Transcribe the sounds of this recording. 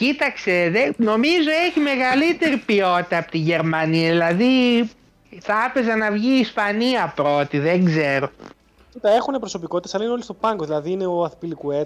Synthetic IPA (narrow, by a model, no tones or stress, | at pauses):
cit̪ɐkse̞ðeno̞mizo̞e̞çime̞ɣɐlit̪e̞ɾipio̞t̪it̪ɐːpot̪iʝe̞ɾmɐniɐðilɐði | θɐpe̞zɐnɐvʝiːspɐniɐpɾo̞t̪iðeŋɡzeɾo̞ | it̪ɐexunepɾoso̞pikot̪it̪esɐlɐineolist̪o̞pɐŋɡoðilɐðiːneoɐθpilikue